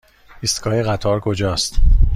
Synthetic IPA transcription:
ist̪kʰɒːjeɣæt̪ʰɒːɾkʰo̞d͡ʒɒːst̪

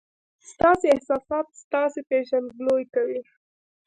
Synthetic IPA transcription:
st̪ɑseɪhsɑsɑt̪̚st̪ɑsepeʒanɡlojkawi

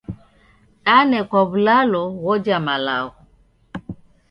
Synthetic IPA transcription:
anɛkɔβlalɔwɔd͡ʒamala̰ɔ

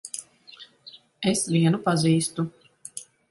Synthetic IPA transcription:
esvʲiɛnupaziːst̪u

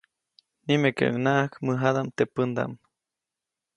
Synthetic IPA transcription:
nimekḛʔŋnaʔhkmɨɦad̪amt̪epənd̪a̰m

